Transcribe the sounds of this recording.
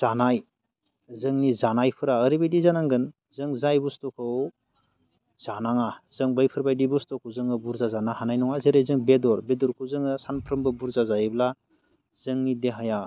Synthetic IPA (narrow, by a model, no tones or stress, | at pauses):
zanaj | zɯŋnizanajpʰɯɾaəɾibajdizanaŋɡɯn | zɯŋzajbustɔkʰɯw | z̥anaŋaz̥ɯŋbajpʰɯɾbajdibustɔkʰɯwzɯŋɯbuɾzazanahanajnɔŋazeɾezɯŋbedɔɾbedɔɾkʰɯwzɯŋɯsanpʰɾɯmbɯbuɾzazajbla | z̥ɯŋnideɦaja